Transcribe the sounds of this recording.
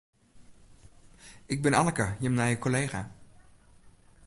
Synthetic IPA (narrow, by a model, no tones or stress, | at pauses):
ɪk̚bɪnaləkəjəmnajəkoleːxa̰